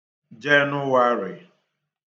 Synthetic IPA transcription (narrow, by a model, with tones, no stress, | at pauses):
d͡ʒɛ˦nʊ˦wa˦ɾɪ˨